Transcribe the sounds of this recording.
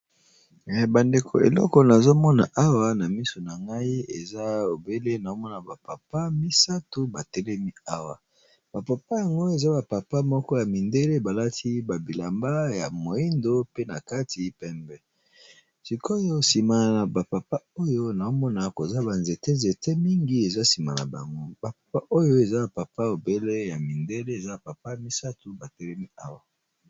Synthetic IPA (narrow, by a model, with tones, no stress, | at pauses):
ba˨nde˨kʰo˨ḛ˨lɔ̰˦kɔ˨na˨zo˦mɔ˦na̰˨ʔa˦wa˨na˨mi˦so˨na˨ŋɡa˦i˦ḛ˨za˦o˨be˦le˦na˨o˦mɔ˦na˨ba˨pa˨pa˦mi˦sa˦to˦ba˨tɛ˦lɛ˦mi˦a˦wa˨ | b̥a˨pa˨pa˦ja˨ŋɡo˦e˨za˦ba˨pa˨pa˦mɔ˦kɔ˦ja˨mi˨nde˦le˦ba˨la˦tʰi˦ba˨bi˨la˨mba˦ja̰˨mo˨i˦ndo˦pe˦na̰˨ka˦tʰi˨pɛ˦mbɛ˦ | si˨ko˦jo˦si˨ma˨na˨na˨ba˨pa˨pa˦o˦jo˦na˨o˦mɔ˦na˨ko˨za˦ba˨nze˨te˦nze˨te˦mi˦ŋɡi˦e˨za˦si˨ma̰˨na̰˨ba̰˨ŋɡo˦ba˨pḁ˨pa˦ʔo˦jo˦e˨za˦ba˨pa˨pa˦o˨be˦le˦ja˨mi˨nde˦le˦e˨za˦ba˨pa˨pa˦ja˨mi˦sa˦tu˨ba˨tɛ˦lɛ˦mi˦a˦wa˦